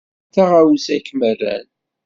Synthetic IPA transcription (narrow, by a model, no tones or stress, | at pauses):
θaʁawzækːmərːæ̰n